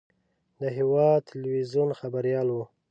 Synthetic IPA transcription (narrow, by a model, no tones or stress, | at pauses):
d̪əɦɪwɑd̪̚t̪ʰɪlwizjunxabaɾjɑlwu